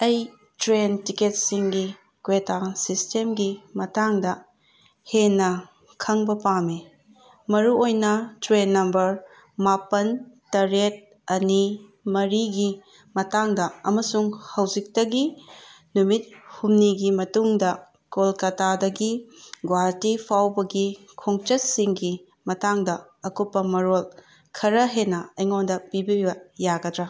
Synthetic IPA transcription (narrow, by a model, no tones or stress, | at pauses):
ɐj | tɾentiket̚siŋɡi | kwetasistemɡimɐtaŋdɐ | henːɐ | kʰɐŋbɐpame | mɐɾuojnɐtɾenːɐmbɐɾ | mapɐntɐɾet̚ | ɐnimɐɾiɡi | mɐtaŋdɐɐmɐsuŋhɐwd͡ʒik̚tɐɡi | numit̚humniɡimɐtuŋdɐ | kolkɐtadɐɡiɡwaɾtipʰawbɐɡi | kʰoŋt͡ʃɐt̚siŋɡi | mɐtaŋdɐ | ɐkupːɐmɐɾol | kʰɐɾɐɦenɐɐjŋondɐpibibɐjaɡɐdɾɐ